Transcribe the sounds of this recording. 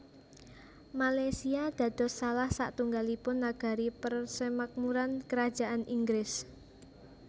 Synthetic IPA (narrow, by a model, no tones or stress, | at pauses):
malajsiad̪̥ä̤d̪̥ɔ̤salahsa̰ʔt̪uŋɡalipʊnːaɡ̥a̤ɾipərsəmak̚muɾankəɾad̥ʒ̥a̤ʔanʔiŋɡɾɪs